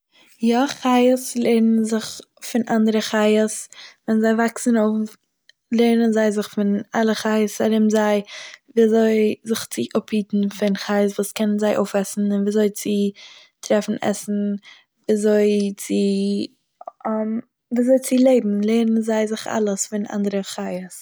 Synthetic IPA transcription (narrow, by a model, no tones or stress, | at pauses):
jɔχaɪəslˠeɪɾnnzɪχ | fɪnʔandəɾəχaɪəsvɛnzaɪvaksn̩oʊff | lˠeɪɾnənzaɪzɪχfɪnalˠəχaɪəsaɾɪmzaɪviːazoɪzɪχt͡sɪʔʊphiːtn̩fɪnχaɪəsvuːskʰɛnənzaɪʔo̰ʊfɛsn̩ɪnviːzoɪt͡sɪ | tɾɛfn̩ʔɛ̰sn̩ | viːazoɪt͡sɪ | am | viːzoɪt͡sɪlˠeɪbm̩lˠeɪɾən̩zaɪzɪχa̰lˠəsfɪnʔa̰ndəɾəχaɪəs